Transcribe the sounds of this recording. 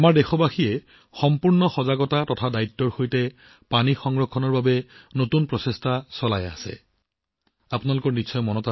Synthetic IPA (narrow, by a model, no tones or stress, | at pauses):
amaɹdɛxɔbaxijɛ | xɔmpuɹnɔxɔzaɡɔtatɔtʰadajtːɔɹxojtɛ | panixɔŋɹɔkʰːɔnɔɹbabɛnotunpɹɔsestʰasɔla̰ja̰sɛ̰ | apunalʊkɔɹnitːsʰɔjmɔnɔta